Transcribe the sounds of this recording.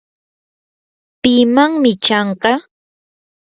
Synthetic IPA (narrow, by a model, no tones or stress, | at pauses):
pɪmaŋmɪt͡ʃɑɴɢɑ